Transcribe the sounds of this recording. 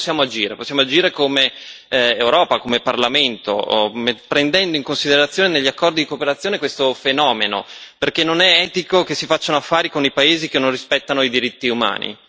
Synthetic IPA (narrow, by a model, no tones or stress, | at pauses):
sːjaːmoad͡ʒiːɾeposːjaːmoad͡ʒiːɾekome | ewɾɔːpakomeparlament̪o̰mpɾend̪ɛnd̪oiŋkonsid̪eɾat̪sːjoːneneʎːiakːɔrd̪id̪ikopeɾat̪sːjoːnekwest̪ofenɔːmeno̰perkenːonɛɛːt̪ikokesːifat͡ʃːaunoafːaːɾikonipaeːzikenːõnrispɛt̪ːanoid̪iɾit̪ːiuma̰ːnḭ